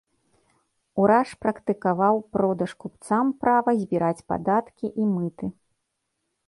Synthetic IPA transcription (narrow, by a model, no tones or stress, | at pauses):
uɾaʂpɾɐkt̪ɨkavawpɾɔd̪ɐʂkupt̪sampɾavɐzʲbʲiɾat͡sʲpa̰d̪at̪kʲiʔimɨt̪ɨ